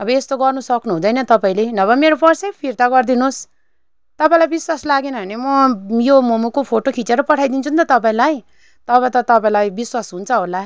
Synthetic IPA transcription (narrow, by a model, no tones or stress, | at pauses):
ʌbʌest̪oɡʌrnusʌknuɦũd̪ʌjnʌt̪ʌpaĩlenʌβʌmeɾopʌrsepʰirt̪aɡʌrd̪inos | t̪ʌpaĩlajbiswaslaɡenʌɦʌnemʌjomomukopʰoʈokʰit͡seɾʌpʌʈʰajd̪int͡sʰunt̪ʌt̪ʌpaĩlaj | t̪ʌβʌt̪ʌt̪ʌpaĩlajbiswasɦunt͡sʰʌɦola